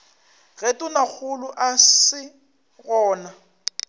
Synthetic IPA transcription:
ɣetʼʊnak͡xʰʊlʊʔasɪ | ɣɔːna

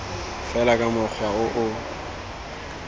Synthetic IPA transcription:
fɛlakʼamʊk͡xʰaɣʊʔʊ

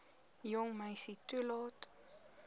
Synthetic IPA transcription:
jɔŋmajsitulɔt

